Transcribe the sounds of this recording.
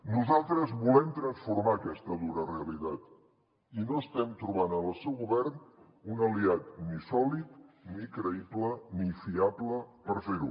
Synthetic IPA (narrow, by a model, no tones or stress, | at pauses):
nuzalˠt̪ɾəzβulɛmt̪ɾənsfuɾmaːkɛst̪əðuɾəreəlit̪at̪ | inoəst̪ɛmt̪ɾuβanəəlˠsɛwɣuβɛrn | unəliat̪nisɔlit̪nikɾəiplənifiabləpəɾfeɾu